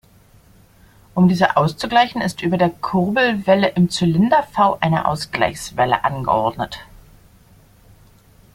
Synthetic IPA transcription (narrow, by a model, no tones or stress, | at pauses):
ʔʊmdiːzəʔaʊst͡suɡlaɪçn̩ɪstʔyːbɐdeːɐkʰʊʁbl̩vɛləʔɪmt͡sylɪndɐfaʊʔaɪnə̰ʔa̰ʊsɡ̥la̰ɪçsv̥ɛlə̰ʔanɡə̰ʔɔ̰ɐdnət